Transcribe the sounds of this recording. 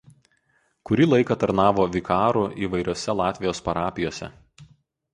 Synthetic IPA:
kʊɾʲiːlˠɐɪkɐt̪ɐɾnɑːʋoːʋʲɪkʰɑːɾʊʔiːʋɐɪɾʲoːsʲɛlˠɑːt̪ʲʋʲɪjoːspɐɾɑːpʲɪjoːsʲɛ̰

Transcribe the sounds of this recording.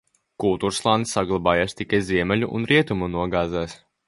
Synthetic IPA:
kulˠt̪uːɾslˠaːnsːaɡlˠabaːjaːst̪ikajziɛmʲɛlʲuʔṵnɾiɛt̪umunuɔɡaːzæːs

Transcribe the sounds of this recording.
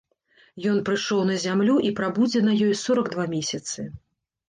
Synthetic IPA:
jɔnpɾɨʂɔwnɐzʲamlʲuʔipɾabud͡zʲɛnɐjɔjsɔɾɐɡd̪vamʲesʲɐt̪sɨ

